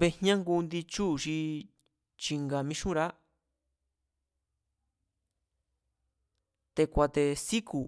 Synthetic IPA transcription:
βe˧hɲã˦ŋɡu˧nd̪i˧t͡ʃu˦˨ʃi˧ | t͡ʃi˧ŋɡa˨mĩ˦ʃũ˦ɾa˦ | t̪e˧kʷa˧t̪e˧si˦ku˨

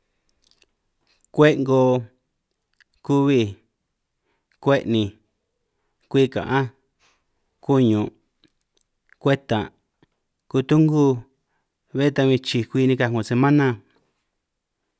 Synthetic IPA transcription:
kʷe˦ʔŋɡo˧ | ku˦˧βi˦˧˨ | kʷe˦ʔnĩ˧ | kʷiː˦˧kã̰˨ʔã˦ | ku˦ɲũ˨ | kʷe˦t̪ã˨ | ku˧t̪u˦ŋɡu˦ | βe˦t̪a˧βĩ˧t͡ʃi˧kʷi˦˧nĩ˧ka˧ŋõ˨se˧mã˦nã˧

